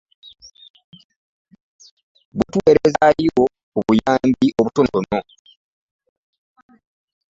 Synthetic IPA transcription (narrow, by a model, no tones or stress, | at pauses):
βutwe̞ːɾezajiwo | uβujaːmbiʔo̞βutonono